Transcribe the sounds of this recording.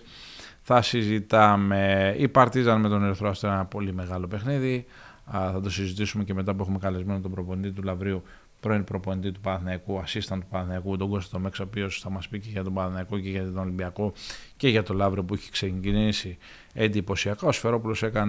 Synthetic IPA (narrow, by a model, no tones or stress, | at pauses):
θɐsizit̪ɐme̞ipɐɾt̪izɐnme̞t̪o̞neɾoθɾoɐst̪oenɐpo̞lime̞ɣɐlo̞pe̞xniði | θɐt̪o̞sizit̪isume̞ce̞me̞t̪ɐpuexume̞kɐle̞zme̞not̪obɾo̞po̞nit̪it̪ulɐvɾiu | pɾo̞inpɾo̞po̞nit̪it̪upɐθnɐikuɐsist̪ɐnt̪upɐθnɐikut̪o̞ɡo̞st̪i̥t̪o̞me̞ksoopio̞sθɐmɐspiceʝɐt̪obɐθnɐiko̞ceʝɐt̪oolimbiɐko̞ce̞ʝɐt̪o̞lɐvɾio̞puiçe̥kseɲɟinisi | e̞nd̪ipo̞siɐkao̞sfe̞ɾo̞pulo̞se̞kɐn